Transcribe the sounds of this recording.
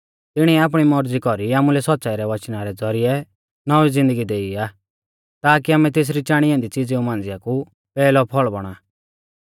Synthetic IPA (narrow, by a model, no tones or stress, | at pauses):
t̪ɪɽ̃iɛaːp̬ɽ̃imɔɾd͡zikɔɾiaːmulɛsɔt̪ːsaːiɾɛʋɐt͡ʃnaɾɛd͡zɔɾɪɛ | nɔʋizɪ̃nd̪əɡid̪eːiaː | t̪aːkiaːmɛt̪eːs̬ɾit͡ʃãːɽ̃ijɛ̃nd̪it͡sɪd͡ziũmãːnd͡zɪjaku | pɛːlɔpʰɔɭbɔɽ̃a